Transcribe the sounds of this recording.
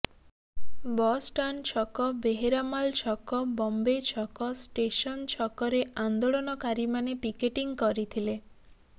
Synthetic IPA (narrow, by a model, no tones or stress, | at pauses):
bɔsʈant͡ʃʰɔkɔbeɦeɾamalt͡ʃʰɔkɔbɔmbet͡ʃʰɔkɔsʈesɔnt͡ʃʰɔkɔɾeand̪oɭɔnɔkaɾimanepikeʈiŋkɔɾit̪ʰile